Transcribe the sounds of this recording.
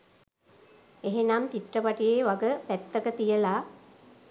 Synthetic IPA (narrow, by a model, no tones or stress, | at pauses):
eɦenamt̪iʈːəpaʈijeːʋaɡəpæt̪ːəkət̪ijəla